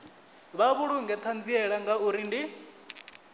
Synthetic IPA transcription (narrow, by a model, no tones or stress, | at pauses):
βaβuɺuŋɡɛt̪ʰand͡ziɛɺaŋɡauɾindi